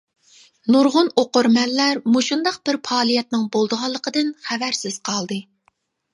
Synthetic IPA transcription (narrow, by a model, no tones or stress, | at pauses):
nuɾʁʊnoqʊɾmɛnlːæɾmuʃund̪ɑq̚b̥ɪɾpʰɑːlˠijɛt̪̚nɪŋbolˠd̪əʁɑlˠːəqəd̪ɨnχævæɾsɪz̥qʰɑlˠd̪ɨ